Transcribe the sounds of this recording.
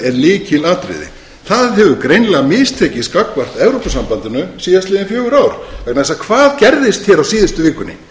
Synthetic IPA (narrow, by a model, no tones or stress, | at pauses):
ɛɾliːcɪlaːt̪ɾɪ̰ðɪ̰ | θaðɦɛvʏkɾejnlɛɣamɪːst̪ʰɛːcɪskakːvar̥t̪ɛvɾowpasampant̪ɪnʏsiːðast̪lɪːðɪnfjœːɣʏɾaːwɾ̥vɛknasakʰvaːðcɛɾðɪst̪çɛɾawsiːðɪst̪ʏvɪːkʏnːɪ̰